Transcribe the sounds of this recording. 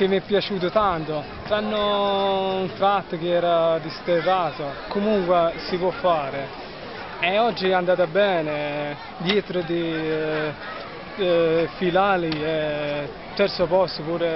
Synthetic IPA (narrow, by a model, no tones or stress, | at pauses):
k̟ɪmːɛpːjat͡ʃuːt̪ʊt̪ant̪ʊ | t̪ɾanːo | unt̪ɾat̪ːk̟eɛːɾad̪ist̪ezaːt̪okomuŋkwesipwɔfːaːɾe | ɛɔd͡ʒːiɛand̪aːt̪abɛːne | d̪jɛːt̪ɾod̪i | filaːliɛ | t̪ːɛɾt̪sʊpɔst̪opuːɾe